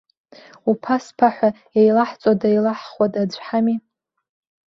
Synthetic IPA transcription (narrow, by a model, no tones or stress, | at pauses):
upʰaspʰaħʷa | jejlaħt͡sʷʼodajlaħχwatʼad͡ʒʷʰʼħami